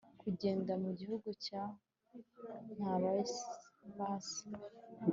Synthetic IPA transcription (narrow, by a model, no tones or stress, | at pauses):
kuɟe̞ːndamuɟihuɡuca | n̥haβa | βasi̥